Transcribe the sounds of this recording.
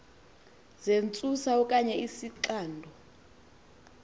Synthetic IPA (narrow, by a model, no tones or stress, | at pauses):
zent͡sʼusaɔkʼaɲɛisiǁaːndʱɔ